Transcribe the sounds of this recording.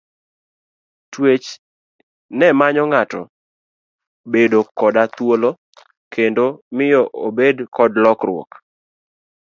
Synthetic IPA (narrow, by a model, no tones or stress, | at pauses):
twet͡ʃ | nɛmaɲɔŋatɔ̰ | bedokɔdat̪wolo | kʰendomɪjɔʔobedkɔdlɔkɾʊ̰ɔ̰k